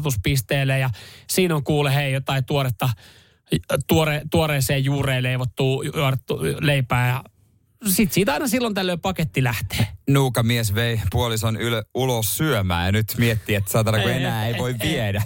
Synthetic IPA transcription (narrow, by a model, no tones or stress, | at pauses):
t̪uspist̪eːlːejɑsiːnoŋkuːlːeheijot̪ɑit̪uoɾet̪ːɑ | t̪uoret̪uoreːseːjjuːreːleiʋot̪ːuːjuotet̪ːuleipæːjɑ | sit̪siːt̪ɑinɑsilːont̪ælːøipɑket̪ːilæht̪e̥ːnuːkɑmiesʋeipuolisonyløulosːyømæ̰ːjɑnyt̪miet̪ːiːet̪ːsɑːˑt̪ɑlɑkuenæːeiʋoiʋʋiedæ